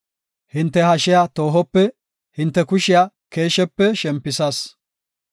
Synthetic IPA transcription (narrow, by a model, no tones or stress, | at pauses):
hɪnt̪ːɛhɐʃɪjat̪o̞ːɦɔpːɛ | hɪnt̪ːɛkʊʃɪja | ke̞ːʃɛpːɛʃɛmpːɪsɐs